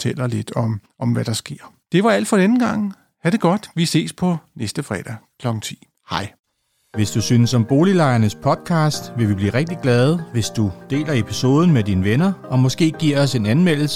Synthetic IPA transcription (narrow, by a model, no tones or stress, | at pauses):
t͡sʰel̰ɐle̝d̥ɒmʔɒ̽mʋæɾ̥ɑ̈sɡ̥e̝ɐ̰ | d̥e̝ʋɑ̈æl̰d̥fɒdenəɡ̥ɑ̈ŋ̰ | hæɾ̥e̝ɡ̥ɒ̽d̥ʋise̝̰ːspʰɒ̽nesd̥əfʁɛ̰ːd̥ækʰlɒ̽ɡ̥ŋ̩t͡sʰḭː | hɑ̈ɪ | ʋe̝sd̥usyːnəsɒ̽mb̥o̝ːlilɑ̈ɪɐnəspʰɒ̽d̥̚kʰɑ̈ːsd̥ʋe̝ʋib̥lḭːʁɛɡ̥̚d̥iɡ̥lɛð̞ˠʋe̝sd̥ud̥e̝̰ːlɐe̝pʰiso̝ːð̞ˠn̩med̥iːnəʋenɐɒ̽mɒ̽sɡ̥e̝̰ːɡ̥iɐ̰ɒ̽se̝nænmel̰l̩sə̥